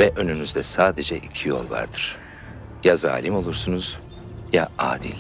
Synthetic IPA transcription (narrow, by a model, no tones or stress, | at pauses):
vɛʔø̞nynyzd̪ɛsaːd̪ed͡ʒɛʔicʰijo̞̰lˠva̰ɾd̪ɯɾ̥ | jaza̰ːlʲimo̞lˠuɾsunuz̥ | jaa̰ːd̪ḭlʲ